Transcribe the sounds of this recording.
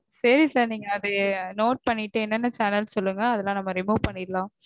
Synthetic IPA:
sɐɾisɐɾniːŋɡɐːðɯnoːʈ̚pɐɳːɪʈːɯɛnːɐnːɐt͡ʃanɐlsɔlːɯŋɡɐɐðɛlːãːnɐmːɐɾɪmuːʋpɐɳːɪɾlãː

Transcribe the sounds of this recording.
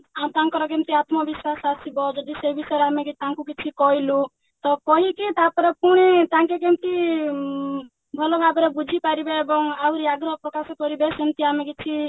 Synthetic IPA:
at̪aŋkɔɾɔk̬ent̪iat̪mɔbiswasasibɔd͡ʒɔd̪isebisɔɾamekit̪ãŋkukit͡ʃʰikɔɦilu | t̪ɔkɔɦikit̪apɔɾekuɽ̃it̪ãŋkek̬emt̪i | bʱɔlɔɡapɔɾebud͡ʒʱipaɾibeːbɔŋauɾiaɡɾɔɦɔpɾɔkasɔkɔɾibesint̪iamekit͡ʃʰi

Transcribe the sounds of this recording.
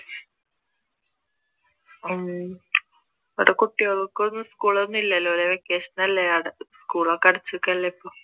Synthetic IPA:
oɽekuʈːiorukːonːɨskuːɭonːilːɐlːooɾeʋekːeːʂɐnɐlːeɐɽskuːɭokɐɽɐt͡ɕːukːɐlːɐipːoː

